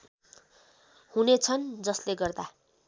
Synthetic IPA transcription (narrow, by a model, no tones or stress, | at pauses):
hunet͡sʰʌnd͡zʌsleɡʌrd̪a